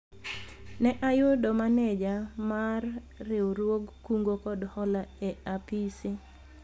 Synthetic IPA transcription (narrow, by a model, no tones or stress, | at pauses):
nɛʔajʊdɔmaned͡ʒamarː | ɪɾwoɡkuŋɡokɔdhɔlaeapisi